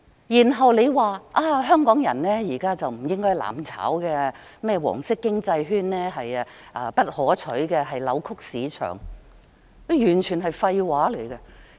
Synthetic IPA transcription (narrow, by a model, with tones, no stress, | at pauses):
jiː˨˩nɦɐ˨wle˨˧jwaː˨˩ʔaː˧ɦœː˥ŋkɔː˨˥ŋjɐ̰˨˩nnɛː˥jiː˨˩kaː˥t͡sɐ˨wm̩˨˩jɪ˥ŋkɔː˥jla̰ː˨˩mt͡sʰa̰ː˨˥wkɛː˧ | mɛː˥˩wɔ̰ː˨˩ŋsɪ˥kːɪ˥ŋt͡sɐ˧jɦyː˥nnɛː˥ɦɐ˨jʔɐː˧pɐ˥t̚hɔː˨˥t͡ʃʰɵ˨˥ɥkɛː˧ɦɐ˨jlɐ̰˨˧wkʰʊ˥k̚siː˨˥t͡ʃʰœ̰ː˨˩ŋ | kjyː˨˩nt͡ʃʰyː˨˩nɦɐ˨jfɐ˧jwaː˨˥le˨˩jkɛ˧